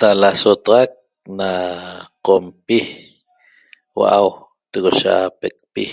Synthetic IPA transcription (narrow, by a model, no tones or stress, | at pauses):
t̪alasot̪ɑʁɑk̚ | naqompi | wa̰ʔaw | t̪eɣoʃaapek̚pi